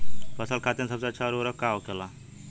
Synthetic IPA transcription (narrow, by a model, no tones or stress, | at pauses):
bɐsəlkʰaːt̪ĩnsəbseɐtːʃʰaɾoɾəkːaːokʰelaː